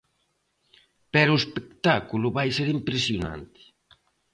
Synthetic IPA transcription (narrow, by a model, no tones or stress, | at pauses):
pɛɾʊespekt̪akulʊβajseɾimpɾesjona̰nt̪ɪ̥